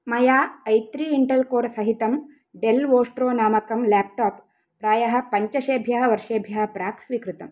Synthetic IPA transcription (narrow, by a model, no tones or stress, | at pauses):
mɐjaːɐjt̪ɾiːɳʈɐlkoːɾsɐɦit̪ɐm | ɖelʋoːsʈɾoːnaːmɐkɐmlaːp̚ʈaːpː | ɾaːjɐɦɐ̆pɐɲt͡ʃɐʃeːbʱjɐɦɐʋɐɾʂeːbʱjɐɦɐ̆pɾaːksʋikɾɨt̪ɐm